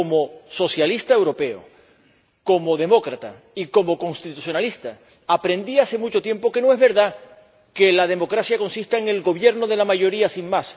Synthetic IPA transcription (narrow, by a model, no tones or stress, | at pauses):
omo̞so̞sjalist̪aewɾo̞pe̞o̰ | ko̞mo̞ðe̞mo̞kɾat̪a | iko̞mo̞kõ̞ŋst̪it̪usjo̞nalist̪a | apɾe̞nd̪iase̞mut͡ʃo̞t̪je̞mpo̞ke̞noe̞zβe̞ɾða | ke̞lað̞e̞mo̞kɾasjako̞nsist̪aeŋe̞lɣo̞βje̞ɾno̞ð̞e̞lamaʝo̞ɾiasiŋmas